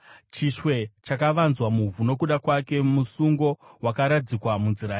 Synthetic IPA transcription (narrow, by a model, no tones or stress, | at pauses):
t͡ʃiʃwe̞t͡ʃakaʋanzwamuvuno̞kuɗakwake̞musuŋɡo̞wakaɾad͡zikwamunziɾaːi